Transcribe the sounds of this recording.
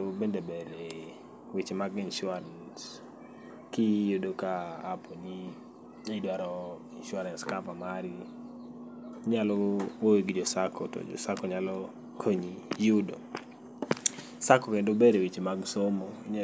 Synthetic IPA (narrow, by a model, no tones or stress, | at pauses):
obendebeɾe | wit͡ʃmaɡɪnʃʊaɾans | kijodokaːponi | idwaɾɔɪnʃʊaɾanskapamaɾi | ɲalɔwoweɡɪd͡ʒɔsakʰɔtɔ̰d͡ʒɔ̰sakɔɲalɔ | kʰoɲijudo̰ | sakɔkendobeɾewit͡ʃmaɡsomoɲa